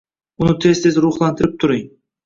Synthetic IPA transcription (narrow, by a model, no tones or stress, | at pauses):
ʊnɪt̪ʰest̪ezɾʊχlˠant̪ʰɪɾɪp̚t̪ʰʊɾɪŋ